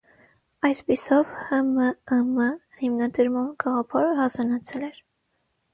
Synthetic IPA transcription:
ɑjspisɔvhəməhəmə | himnɑd̪əɾmɑnɡɑʁɑpʰɑɾəhɑzɑnɑt͡sʰɛlɛɾ

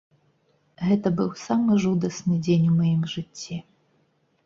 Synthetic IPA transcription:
ɣɛt̪ɐbɨwsamɨʐud̪ɐsnɨd͡zʲenʲumɐjimʐɨt͡sʲːi

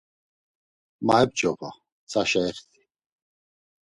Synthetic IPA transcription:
maɦɛb̚d͡ʒɔva̰ | t͡sʰaʃaɛχt̪ʰi̥

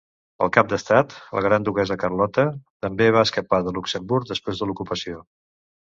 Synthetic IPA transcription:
ə̰lˠkap̚d̪əst̪at̪lə̰ɣ̞ɾand̪uɣɛzəkərlɔt̪ət̪əmbeβ̞aəskəpaðəluksəmbuɾk̚d̪əspɾezðəlukupəsio

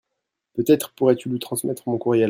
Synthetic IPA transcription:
pøt̪ɛt̪χəpuʁɛt̪ylɥit̪χɑ̃smɛt̪χmɔ̃kuʁjɛ

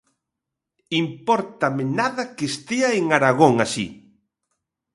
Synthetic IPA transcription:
impɔɾt̪amɪnaðɐkest̪eaeŋaɾaɣ̞oŋasḭ

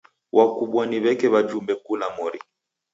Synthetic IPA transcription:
wʔakuɓwaniβɛkɛβad͡ʒumbɛkulamɔɾi

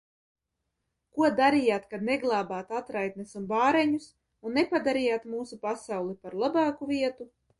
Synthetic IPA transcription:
kuɔd̪aɾijaːt̪kad̪neɡlˠɑːbaːt̪at̪ɾajt̪̚nesunbaːɾeɲus | unːepad̪aɾijaːt̪muːsupasawlˠipaɾlˠabɑːkuviɛt̪u

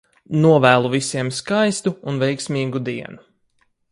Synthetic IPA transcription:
nuɔvæːlˠuvisiɛmskajst̪uːnvɛjksmʲiːɡud̪iɛnu

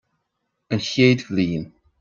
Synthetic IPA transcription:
ənçeːdɡliːn

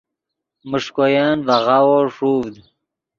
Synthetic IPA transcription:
məʂkojɑːnvaʁawoʂuːvd̪

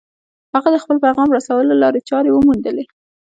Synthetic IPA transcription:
haɣad̪əxpəlpajɣɑmɾasawəlolɑɾet͡ʃɑɾewəmund̪əle

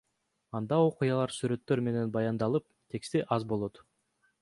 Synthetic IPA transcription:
ɑnd̪ɑo̞qujɑlˠɑɾsyɾø̞t̪ːø̞ɾme̞ne̞nbɑjɑnd̪ɑlˠɯp̚t̪ʰe̞kst̪iʔɑzbo̞lˠo̞t̪

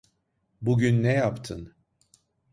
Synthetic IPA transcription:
buɟynːɛjapt̪ʰɯn

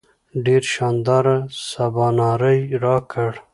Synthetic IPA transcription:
ɖeɾʃɑnd̪ɑːɾasabɑːnɑɾəjɾɑkʰəɽ

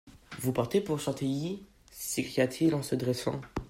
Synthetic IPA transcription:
vupaʁt̪epuʁʃɑ̃t̪ʰiji | sekχijat̪ʰilɑ̃səd̪ʁɛsɑ̰̃

